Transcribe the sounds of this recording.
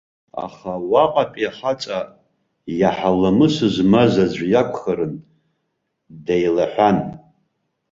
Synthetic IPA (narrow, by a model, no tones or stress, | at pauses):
a̰χawaqʼapʼiaħat͡sʼa | jaħalamɨsɨʒʷmazad͡ʑʷjakʷʰʼχaɾɨn | dejlaħʷᶣan